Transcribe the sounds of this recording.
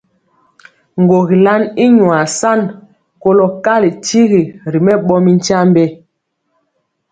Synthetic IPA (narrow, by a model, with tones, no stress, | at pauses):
ŋ˨ɡo˨ɣi˨la˦ni˦ɲwa˨sa˦˨n | ko˦lo˨ka˦li˨ti˦ɣi˨ɾi˨mɛ˦ɓɔ˦mi˦n˦t͡ʃa˦mbɛ˦